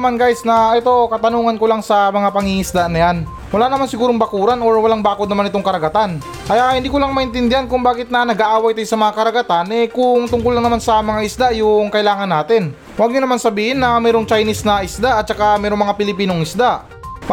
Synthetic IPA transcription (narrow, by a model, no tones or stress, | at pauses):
manɡajsnɐʔɛt̪o̞kɐt̪ɐnuːŋɐnkolaŋsɐmɐŋapɐŋiŋɪsd̪aʔnɐjan | wɐlaːnɐmansɪɡuːɾoŋbɐkuːɾano̞ɹwɐlaŋbaːkod̪nɐmanɪt̪oŋkɐɾɐɡɐt̪an | ʔɐjahɪnd̪iːkʊlaŋmɐʔɪnt̪ɪnd̪ɪhankʊŋbaːɡɪt̪̚nɐnɐɡaʔaːwajt̪ajsɐmɐŋakɐɾɐɡɐt̪anʔɛkʊŋt̪ʊŋkʊlːaŋnɐmansɐmɐŋaʔɪsd̪aʔjʊŋkɐʔɪlaːŋɐnːaːt̪ɪn | waɡ̚ɲʊnɐmansɐbiːhɪnːɐmɛːɾoŋt͡ʃajnisnɐʔɪsd̪aʔɐt̪̚t͡ʃɐkamɛːɾoŋmɐŋapɪlɪpiːnoŋɪsd̪aʔ